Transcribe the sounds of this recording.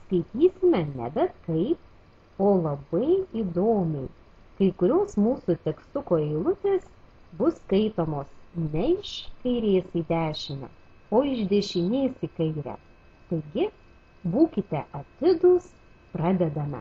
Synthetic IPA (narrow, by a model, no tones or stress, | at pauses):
skɐɪt̪ʲiːsʲɪmʲɛnʲɛ̰bʲɛt̪kɐɪp̚ | oːlˠɐbɐɪiːd̪oːmʲɛɪ | kɐɪkʊɾʲoːsmuːsut̪ʲɛkst̪ʊkoːɛɪlˠʊt̪ʲeːs | bʊskɐɪt̪oːmoːsnʲɛɪʃkɐɪɾʲeːsiːd̪ʲæːʃʲɪmʲɛ̰ | oːɪʒd̪ʲɛʃʲɪnʲeːsiːkɐɪɾʲæ̰ | t̪ɐɪɡʲɪ | buːkʲɪt̪ʲɛʔɐt̪ʲɪd̪ʊːs | pɾɑːd̪ʲɛd̪ɐmʲɛ̰